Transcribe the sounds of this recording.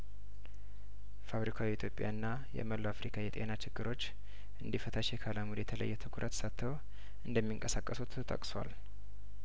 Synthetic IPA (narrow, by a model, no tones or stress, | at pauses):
faβɾikʰawiːt̪ʰjo̞pʼɪja̰ɨnːa | jɛ̰məloafɾikʰajɛt̪ʼe̞̰nat͡ʃɪɡːɨɾo̞t͡ʃː | ʔɨnd̪ifət̪ʰaʃjɛkʰalamud̪jɛt̪ʰələ̰jːɛt̪ʰɨkʷʰuɾʔət̪sat̪ʰːəwo | ʔɨnd̪əmːiɨŋkʼəsakʼːəsut̪ʰt̪ʰə̰kʼswa̰l